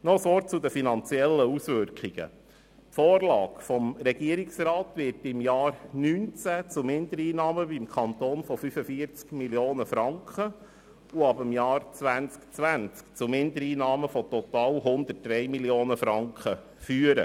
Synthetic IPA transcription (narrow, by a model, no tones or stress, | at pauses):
nɔəsʋɔt̚t͡sud̪əfinɑnt͡sjɛlːəusʋʏɾkχiɡ̥ə̰ | tfoːrlɑːɡfɔmɾɛɡ̥iəɾiksrɑːt̪ʋɪtɪmjɑːɾnynt͡sæt͡sʊmɪnd̪əɾiːnɑːməbimkʰɑnt̪oːnfɔfyfəfiəɾt͡skmiljoːnəfɾɑŋkχə | uɑbəmjɑːɾt͡sʋænt͡skt͡sʋænt͡skt͡sumɪnd̪əɾiːnɑːməfɔt̪ɔt̪ɑːlɦʊnd̪ət̚d̥ɾɛjmiljoːnəfɾɑŋkχə | fyːəɾə̰